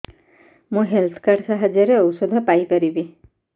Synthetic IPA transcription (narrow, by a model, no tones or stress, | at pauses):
mũɦelt̪ʰɔ̥kaɾsaɦad͡ʒjɔɾeɔwsɔd̪ʱɔpajpaɾibi